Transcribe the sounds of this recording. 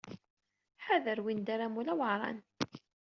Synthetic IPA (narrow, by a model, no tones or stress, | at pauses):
ħaðəɾwind̪aɾamulæwəʕɾˤɑ̰n